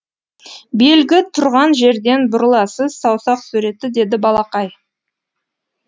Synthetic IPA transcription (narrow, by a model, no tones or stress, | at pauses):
be̞lɡʲɪt̪ʰʊɾʁɑnʒe̞ɾd̪e̞nbʊɾlˠɑsəzsɑwsɑqsuɾe̞t̪ːɪd̪e̞d̪ɪbɑlˠɑqɑj